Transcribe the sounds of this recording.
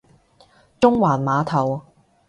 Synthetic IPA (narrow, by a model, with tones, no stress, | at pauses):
t͡ʃʊ˥ŋwaː˨˩nmaː˨˧t̪ʰɐ˨˩w